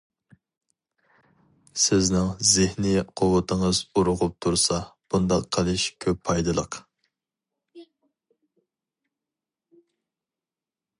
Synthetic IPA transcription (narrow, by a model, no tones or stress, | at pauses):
sɪznɪŋzɪhniqʰʊwɨt̪ʰəŋəzuɾʊʁʊp̚t̪ʰuɾsɑb̥und̪ɑqqʰːəlˠɨʃkʲʰøpʰːɑjd̪ɨlˠəq